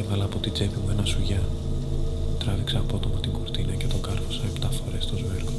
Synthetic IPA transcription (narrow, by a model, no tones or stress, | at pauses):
evɐlɐːpo̞t̪id͡zepimuenɐsuʝɐ | t̪ɾɐviksɐːpot̪o̞mɐt̪iŋɡoɾt̪inɐcet̪o̞kɐɾfosɐept̪ɐfoɾe̞st̪ozveɾko